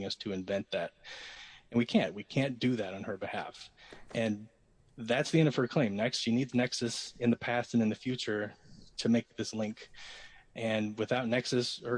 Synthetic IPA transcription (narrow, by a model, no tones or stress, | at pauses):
ŋʌstʰɨɨ̃ɱvɛ̃nðæɾ̚ | ɨ̃nwikʰæ̃nʔ̚wikʰæ̃nd̥ɨðɨɾn̩ə˞bɨhæ̰fʔɨ̃n | ðætsðiɛ̃ndʌv̥ə˞kʰl̥ẽɪ̃mnɛkstʃinidznɛksɨsɨ̃nðɨpʰæstɨ̃nɨ̃nðɨfjʉt͡ʃə˞ɾʰɨmeɪk̚ðɪslɪ̃ŋk | ʔɨ̃nwɨθaʊtⁿnɛksɨshə˞